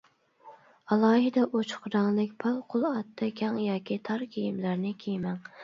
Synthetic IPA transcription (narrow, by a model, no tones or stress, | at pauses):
ɑlˠɑːɦɪd̪ɛʔot͡ʃʰʊ̥qɾɑŋlˠɪkʲpʰɑlˠqʰʊlˠɑt̪ʰːɑkʲɑŋjɑːkʲit̪ʰɑɾkʲʰijimlæɾnɪkʲʰejmæŋ